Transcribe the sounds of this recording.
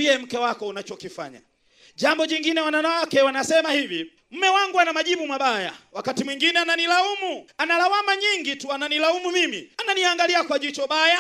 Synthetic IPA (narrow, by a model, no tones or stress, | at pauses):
iɛm̩kɛwakɔunat͡ʃɔkifa̰ɲa̰ | ʄambɔʄiŋɡinɛwananawakɛwanasɛmahivi | m̩mɛwaŋɡuanamaʄiɓumaɓaja̰wakatimwiŋɡinɛananilaumuanalawamaɲiŋɡituananilaumumimiananiaŋɡaliakwaʄit͡ʃɔɓaja